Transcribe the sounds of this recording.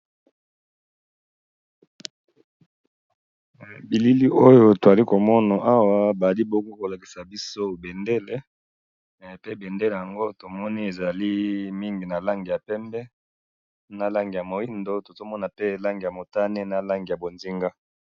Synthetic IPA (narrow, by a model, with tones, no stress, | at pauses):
bi˨li˦li˦ʔo˦jo˦to˨a˨li˦ko˨mɔ˦na˨ʔa˦wa˦ba˨li˦bo˦ɡo˦ko˨la˨ki˨sa˨bi˦so˦be˨nde˦le˨ | pe˦be˨nde˦le˨ja˨ŋɡo˦to˨mɔ˦ni˦e˨za˨li˦mi˦ŋɡi˨na˨la˦ŋɡi˨ja˨pɛ˦mbɛ˦ | na˦la˦ŋɡi˨a˨mo˨i˦ndo˦to˨zo˦mɔ˦na˨pe˦˨la˦ŋɡi˨ja˨mo˨ta˦ne˦na˦la˦ŋɡi˨a˨bo˨nzi˦ŋɡa˦